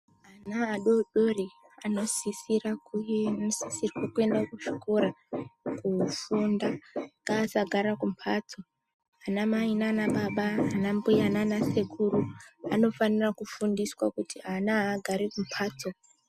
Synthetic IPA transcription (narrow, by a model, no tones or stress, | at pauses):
ɦanaːɗo̞ɗo̞re | ano̞sisirakusisirwakue̞ndakuʐiko̞ɾakufundaŋŋɡaːsaɡʱaɾakumpʰatʰo̞ | anamainanaɓaɓaaːnambujananase̞kuruano̞fanirakufundiswakutianaːɡʱaɾikumpʰaːtʰo